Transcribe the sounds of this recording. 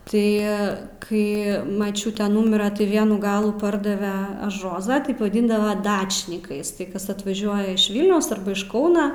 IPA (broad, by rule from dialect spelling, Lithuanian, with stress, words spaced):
ˈtɐɪ ˈkɐɪ mɐˈt͡ʃʲuːtʲɛ ˈnʊmʲɪrɐ tɐɪ ˈʋʲiɛnuː ˈɡɑːlˠuː ˈpɐrdɐʋʲɛ ɐʃ ˈroːzɑː ˈtɐɪp ʋɐˈdʲiːndɐʋɐ ˈdɑːt͡ʃʲnʲɪkɐɪs tɐɪ ˈkɐs ɐtʋɐˈʒʲuɔjɛ ɪʃ ˈʋʲɪlʲnʲɛʊs ˈɐrbɐ ɪʃ ˈkɐʊnɐ